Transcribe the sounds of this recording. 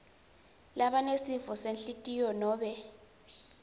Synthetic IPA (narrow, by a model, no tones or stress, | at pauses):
laɓanesivɔsenɬitʼijɔnɔːɓɛ